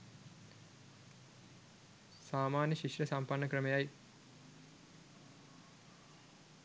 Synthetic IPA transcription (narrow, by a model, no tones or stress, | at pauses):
saːmaːnjɐɕiʂɾɐsampɐɳːɐkrɐmejaj